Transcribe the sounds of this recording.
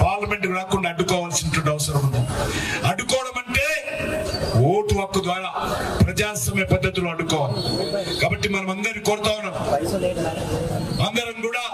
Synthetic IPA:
paːɾlɐmeɳʈɾaːkuɳɖaːɽukːɔːʋaːlsinʈːuɖɐʋɐsɐɾɐmuɳd̪uɐɽukːɔːʋɐɽɐmɐɳʈeː | oːʈuʋɐkːɐd̪ʋaːɾaːpɾɐd͡ʒaːsɐmɐjɐpɐd̪ʱːɐt̪ːuloːɐɽukːɔːʋaːlɐkaːbɐʈːimɐnɐmɐnd̪ɐɾikoːɾut̪aːʋɐnːaːm | ɐŋɡ̪ɐɾɐmkuːɽaː

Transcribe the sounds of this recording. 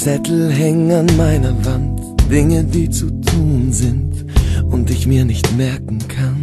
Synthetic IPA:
t͡sɛtl̩ɦɛŋənanmaɪnɐvant | d̥ɪŋədiːt͡sutʰuːnzɪnt | ʔʊntɪçmiːɐnɪçtmɛɐkŋ̩kʰan

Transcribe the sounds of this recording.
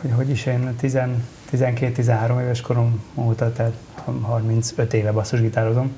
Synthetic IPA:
hojɦo̞ɟiʃeːnt̪izɛnt̪izɛŋkeːt̪ːizɛnɦaːɾo̞meːvɛʃko̞ɾo̞moːt̪ɒt̪ɛːt̪ | hɦɒrmint̪søt̪eːvɛbɒsːuʒɡit̪aːɾozo̞m

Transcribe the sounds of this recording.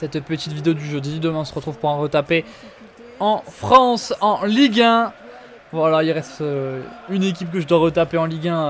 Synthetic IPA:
sɛt̪pət̪it̪vid̪eod̪yʒød̪id̪əmɛ̃ɔ̃səʁət̪χuvpuʁɑ̃ʁət̪ape | ɑ̃fχɑ̃sɑ̃liɡʲɛ̃ | vwalailʁɛst̪øynek̬ʲipkəʒəd̪waʁət̪apeɑ̃liɡʲɛ̃

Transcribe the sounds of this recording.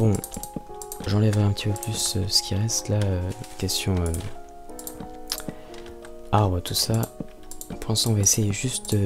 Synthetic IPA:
b̥ɔ̃ | ʒɑ̃lɛvʁɛɛ̃pət̪ipøplysøsə̥kʲiʁɛst̪laøkʲɛst̪jɔ̃ø | aʁbʁət̪usã | pʰɑ̃sɑ̃vaesejeʒyst̪ø

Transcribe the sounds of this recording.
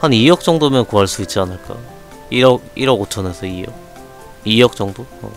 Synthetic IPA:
hanijʌk̚t͡ɕ͈ʌŋdomjʌnkoɦaɭs͈uit̚t͡ɕ͈ianɯɭk͈a̰ | iɾʌk̚iɾʌɡot͡ɕʰʌnesʰʌijʌ̰k̚ | ijʌk̚t͡ɕ͈ʌŋdoʌ̰

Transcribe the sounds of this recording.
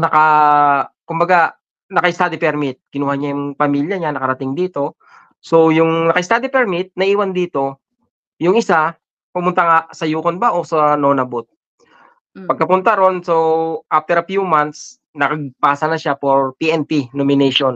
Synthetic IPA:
nɐkɐ | kʊmbɐɡa | nɐkɐʔɪst̪ad̪ipɛɾmɪt̪̚kɪnuːhɐɲajʊŋpɐmiːljɐɲanɐkɐɾɐt̪ɪŋd̪iːt̪o̞ | so̞jʊŋnɐkɐɪst̪ad̪ipɛɾmɪt̪̚nɐʔiːwɐnd̪iːt̪o̞ | jʊŋʔɪsa | pʊmʊnt̪ɐŋasɐjuːkonbaʔo̞sɐnoːnɐbot̪̚ | pɐɡ̚kɐpʊnt̪aɾo̞nsoʔaft̪ɛɾɐfjumant̪s | nɐkɐɡ̚paːsɐnɐʃapoɹpiːʔɛnpinomɪnɛjʃon

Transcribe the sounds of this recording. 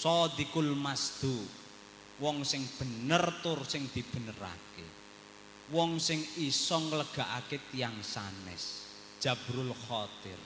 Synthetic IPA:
sɔd̪ikulmasd̪̥o | wɔŋsɪŋb̥ə̤nərt̪ʊrsɪŋd̪̥i̤b̥ə̤nəɾa̰ke | wɔŋsɪŋisɔŋələɡ̥a̤ʔaket̪ijaŋsanɛ̰s | d̥ʒ̥a̤b̥ɾʊlxɔt̪ɪr

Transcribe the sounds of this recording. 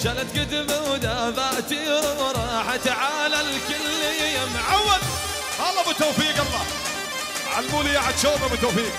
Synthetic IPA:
ʃalat̪̚ɡɪd̪ɪbawd̪aðaʔt̪iɾɾˤɑːħat̪aʕaːlalkʊlːɪjjamʕawːal | ʔalˤːɑːbɪt̪oːfiːkɑlˤːɑː | ʕalmuːlijaʕad̪ʃoːmabɪt̪uːfiːk̚

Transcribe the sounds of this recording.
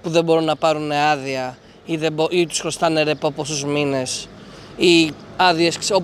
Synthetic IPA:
puðe̞bo̞ɾunːɐpɐɾuneɐðiɐ | iðeboit̪u̥sxɾo̞st̪ɐneɾepoposuzmine̞siɐðie̞skso

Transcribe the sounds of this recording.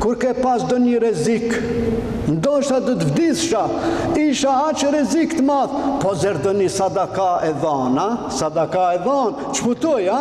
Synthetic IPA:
kuɾkɛpasd̪ɔniɾɛzik | nd̪ɔʃt̪ad̪ɔt̪əvd̪iθʃaiʃaat͡ʃɾɛzikt̪əmaðpɔzɛɾd̪ɔnisad̪akaɛðanasad̪akaɛðan | t͡ʃə̥fut̪ɔja

